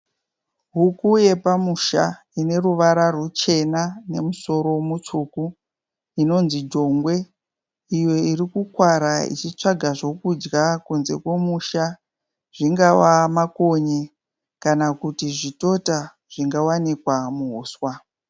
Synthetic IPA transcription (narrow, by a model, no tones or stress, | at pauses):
ɦukuje̞pamuʃa | ine̞ruʋaɾarut͡ʃe̞nane̞muso̞ɾo̞mut͡ʂuku | ino̞nzid͡ʒo̞ŋɡwe̞ | ijo̞iɾikukwaɾaḭt͡ʃit͡ʂaɡʱaʐo̞kud͡ʒɡakunze̞̰kwe̞muʃa | ʐ̥iŋɡawamako̞ɲe | kanakutiʐito̞ta | ʐ̥iŋɡawanikwamuɦoːswa